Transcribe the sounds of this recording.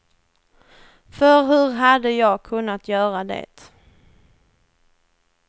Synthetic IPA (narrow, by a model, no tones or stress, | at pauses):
fœɾɦɵɾɦad̪əjɑːɡ̚kʰɵnːat̪ʰjœːɾad̪ḛːt̪